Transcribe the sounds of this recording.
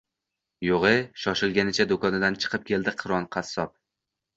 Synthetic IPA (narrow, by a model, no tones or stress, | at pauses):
joʁɨʃɒʃɪlˠɡʲanɪt͡ʃʰad̪okʰɒnɪd̪ant͡ʃʰɨ̥qʰɨp̚kʲʰe̞ld̪ɪqʰɨɾɒnqʰɑsːɒp̚